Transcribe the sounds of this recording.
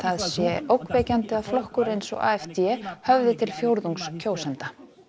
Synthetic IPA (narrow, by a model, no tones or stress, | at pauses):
θaðsjɛʔowkvejcant̪ɪaðflɔhkʏɾejnsɔ̰ɣa̰ːɛft̪jɛhœvðɪt̪ʰɪlfjowɾðuŋkscʰoːwsɛnt̪a